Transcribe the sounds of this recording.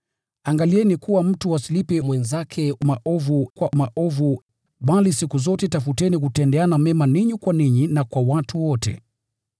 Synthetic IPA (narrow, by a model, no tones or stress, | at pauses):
aŋɡaliɛnikuwam̩tuwasilipɛmwɛnzakʰɛmaʔɔvukwamaʔɔvu | ɓalisikuzɔtɛtafutɛnikutɛndɛanamɛmaniɲikwaniɲinakwawatʰuwɔtɛ̰